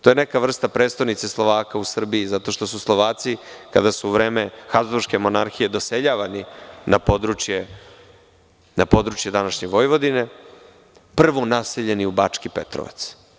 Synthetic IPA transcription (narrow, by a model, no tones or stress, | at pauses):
t̪ojenekaʋr̩st̪apɾet̪st̪ojnit̪seslˠo̞ʋaːkausr̩biizat̪o̞ʃt̪o̞suslˠo̞ʋaːt̪sika̰d̪asuːʋɾeːmexauʃke̞mo̞naɾxije̞d̪o̞seʎaːʋaninapo̞d̪ɾut͡ʃje | napo̞d̪ɾut͡ʃje̞d̪anaʃɲeʋo̞jʋo̞d̪ine | pr̩ʋo̞naseʎe̞niubat͡ʂkipet̪ɾo̰ʋa̰t̪s